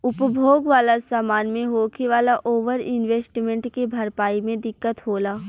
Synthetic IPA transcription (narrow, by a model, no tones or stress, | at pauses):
ʊpbʱoːɡʋaːlasaːmaːnmẽɦoːkiʋaːlaʔoːʋəɾɪ̰nʋeːsʈmẽɳʈkebʱɐɾpaːimẽd̪ɪkːət̪ɦoːlaː